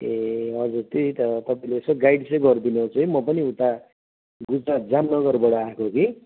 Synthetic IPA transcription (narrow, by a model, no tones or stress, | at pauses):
eʌd͡zurt̪eit̪ʌt̪ʌpaĩleːsʌɡajɽsʌɡʌrd̪ineɦot͡sʰuemʌpʌniũt̪a | ɡud͡zɾat̪̚d͡zamnʌɡʌrbʌɽʌakʰoki